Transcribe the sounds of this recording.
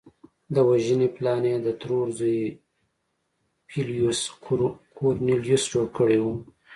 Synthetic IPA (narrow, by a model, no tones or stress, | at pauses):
d̪əwaʒəneplɑned̪ət̪ɾoɾzu | piljuskʰoɾniljusd͡ʒoɽkəɽewu